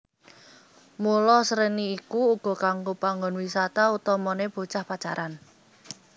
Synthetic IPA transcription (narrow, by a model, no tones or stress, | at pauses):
mulɔsəɾəniːkuːɡ̥ɔ̤kaŋɡopaŋɡɔnwisat̪aut̪ɔmɔneb̥o̤t͡ʃahpat͡ʃaɾan